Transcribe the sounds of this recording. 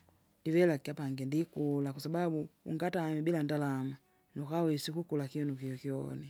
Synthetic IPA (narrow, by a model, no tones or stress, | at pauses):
divɛlakiapaŋɡɛndikulakwasababuṵŋɡatamibilandalama | nukawɛsikukulakiɔnukiɔkiɔ̰ni